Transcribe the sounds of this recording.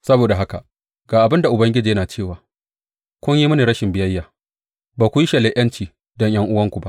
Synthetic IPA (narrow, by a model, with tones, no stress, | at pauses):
sɐ˦boː˨da˨ɦa˦ka˨ | ɡ̥aː˨ʔa˨bɪ˦nda˨ʔʊ˨bɐ˦ŋɡʲɪ˦d͡ʒiː˨jɐ˦naː˨t͡ʃeː˦˨waː˨ | kʷʊ˦ɲjiː˦mʊ˦ni˨ɾɐ˦ʃɪ˨mbɪ˦jɐ˦jːaː˨ | baː˨kʷu˨ji˦ʃɐ˨leː˨ʔɐ˦nt͡ʃiː˨ | dɔ˦ɲj̰ɐ˦ŋʔʊ˦wɐ˦ŋkʷu˨ba˦ʔ